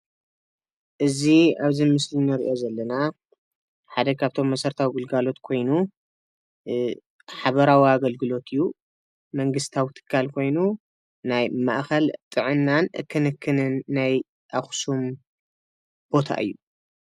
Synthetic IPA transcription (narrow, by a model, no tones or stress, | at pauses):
ʔɨziaβzimɨslinɨɾḭʔo̞zɐlːɐna | ħad̪ɐkʰaβt̪ʰo̞mːɐsɐɾt̪ʰawiɡɨlɡalo̞t̪kʰo̞jnu | ħaβɐɾawiaɡɐlɡɨlo̞t̪ʰɨjːu | mɐŋɡɨst̪ʰawit̪ʰɨ̥kʰːalkʰo̞jnu | najma̰ʔxɐlt̪ʼɨʕɨnːanʔɨ̰kʰːɨnɨkʰːɨnɨnːaj | ʔaxsum | b̥o̞t̪ʰa̰ʔɨ̰jːu